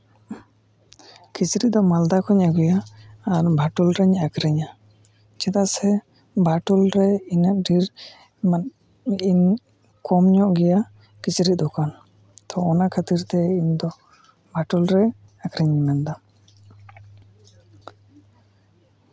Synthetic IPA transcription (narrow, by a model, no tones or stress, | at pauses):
kit͡ʃɾiʔ̚d̪ɔmald̪akɔɲaɡujaːɾbʱaʈulɾɛɲakɾɛɲa | t͡ʃɛt̪aʔsɛ | bʱaʈulɾɛinaʔɖiɾ | iɲ | kɔmɲɔʔɡɛja | kit͡ʃɾit̪̚d̪ɔkan | t̪ʰɔːnakʰat̪iɾt̪ɛiɲd̪ɔ | bʱaʈulɾɛ | akɾɛɲmɛnd̪a